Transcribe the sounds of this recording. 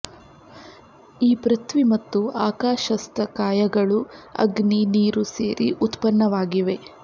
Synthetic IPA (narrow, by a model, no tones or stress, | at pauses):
iːpɾɐt̪ʋimɐt̪ːuaːkaːʃɐst̪ɐkaːjɐɡɐɭuɐ̰ɡniniːɾusḛːɾḭʔut̪pɐnːɐʋaːɡiʋe̞